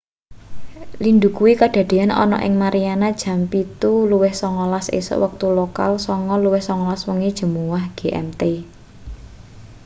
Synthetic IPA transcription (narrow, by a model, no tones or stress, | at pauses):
lind̪ukuwikad̥a̤d̪̥e̤anɔ̰nɔ̰ʔɪ̰ŋmaɾianad̥ʒ̥ä̤mpit̪uluwɪhsɔŋɔlasḛsə̰ʔwək̚t̪uloka̰lsɔŋɔluwɪhsɔŋɔlaswəŋed̥ʒ̥ə̤muwahɡ̥e̤ʔɛ̰mt̪e